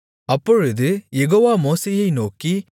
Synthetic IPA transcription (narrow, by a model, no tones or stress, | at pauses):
ɐpːɔɻud̪ɯjeɡoʋamoːsɐjɐjnoːki